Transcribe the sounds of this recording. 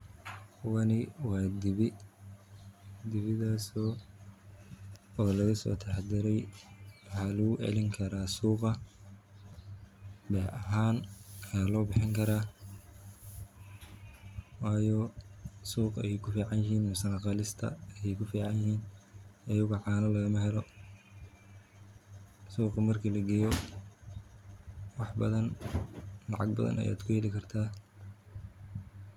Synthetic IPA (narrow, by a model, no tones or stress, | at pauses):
wɑnɪwɑːd̪ɪβɪ | d̪ɪβɪðaːsɔː | ɔːlɐɣɐsɔ̰ːt̪ʰɛħɑd̪ɪɾɛjwɑħɑːlɐɣʊʔɛ̰lɪŋkʰɐɾaːsuːqɐ | bɛːʔɐɦaːnkʰaːlɔːbɪħɪŋkʰɐɾaː | wɑːjɔsuːqɛ̰jɛjkʰʊfiːʕɑnjɪɦiːnmɛsɐnɐqɑːlɪst̪ʰɐ̰ɛjɛjkʰʊfiːʕɑnjɪhiːnɐjʊɣʊʕɑːnɐlɐɣɐmɐɦɛlɔ | suːqɐmɐrkʰilɐɡɛjɔ | wɑħbɐðɐn | lɑʕɑ̰ɡ̚bɐ̰ðɐ̰nʔɐ̰ja̰ːd̪kʰʊjɛlɪkʰɐrt̪ʰaː